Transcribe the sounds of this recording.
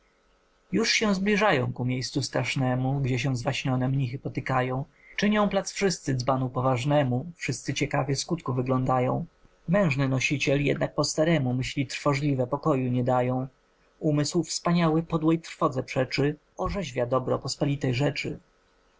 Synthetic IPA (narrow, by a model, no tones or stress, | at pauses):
juʂɕɛ̃w̃zblʲiʐajɔ̃w̃kumʲjejst̪sust̪ɾaʂnɛmuɡd͡ʑɛɕ̬ɛ̃zvaɕɲɔnɛmɲixɘpɔt̪ɘkajɔ̃w̃ | t͡ʂɘɲɔ̃w̃plat̪sfʂɘst̪sɘd̪zbanupɔvaʐnɛmufʂɘst̪sɘt͡ɕɛkavʲjɛskut̪kuvɘɡlɔ̃nd̪ajɔ̰̃w̃ | mɛ̃w̃ʐnɘnɔɕit͡ɕɛljɛ̰d̪nak̚pɔst̪aɾɛmumɘɕlʲit̪ɾfɔʐlʲivɛpɔkɔjuɲɛd̪ajɔ̃w̃ | umɘswfspaɲawɘpɔd̪wɔjt̪ɾfɔd̪zɛpʂɛt͡ʂɘ | ɔʐɛʑvʲjad̪ɔbɾɔpɔspɔlʲit̪ɛjʐɛt͡ʂɘ̰